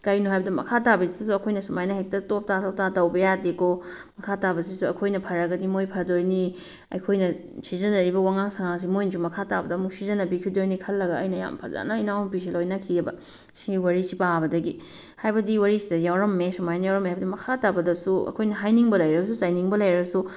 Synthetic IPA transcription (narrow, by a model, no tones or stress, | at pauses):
kɐjnuɦajbɐdɐmɐ̰kʰatabɐsidɐs̬uɐkʰojnɐsumajnɐɦek̚tɐtop̚tatop̚tatɐwbɐjadeko | mɐkʰatabɐsisuɐkʰojnɐpʰɐɾɐɡɐdimojpʰɐɾdoɾni | ɐ̰jkʰojnɐ | sizɐnɐɾibɐwaŋaŋsaŋaŋs̬imojnzumɐkʰatabɐdɐːmuk̚sizɐnɐbikʰidojnikʰɐlːɐɡɐɐjnɐja̰mpʰɐ̰za̰nɐinawmpis̬ilojnɐkʰiɐbɐ̰ | siwɐɾisipabɐdɐɡi | hajbɐdiwɐɾisidɐjawɾɐmːesumajnɐjawɾɐmːɦajbɐdimɐkʰatabɐdɐsuɐ̰kʰojnɐɦajniŋbɐlɐjɾɐs̬uzajniŋbɐlɐjɾɐsu